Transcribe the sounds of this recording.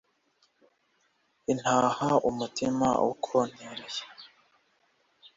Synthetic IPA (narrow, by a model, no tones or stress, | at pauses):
in̥haːhaumutima̰ṵkʰon̥eɾeje̥